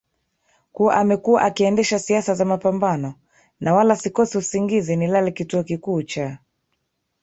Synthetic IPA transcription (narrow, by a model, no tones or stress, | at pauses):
kuaʔamɛkua̰ʔakiɛndɛʃasiasazamapambanɔ | nʔawalasikɔsiusiŋɡizinilalikituɔkikuːt͡ʃa